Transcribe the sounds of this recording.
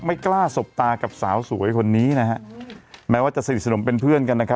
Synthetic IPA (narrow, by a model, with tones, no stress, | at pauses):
ma˥˩jklaː˥˩so˨˩p̚t̪aː˧ka˨˩p̚saː˩˦wsu˩˦jkʰo˧nːiː˦˥na˦˥ɦa˦˥ʔmɛː˦˥waː˥˩t͡ɕa˨˩sa˧ni˨˩t̚sano˩˦mpe˧npʰɯ˥˩ənka˧nːa˦˥kʰa˦˥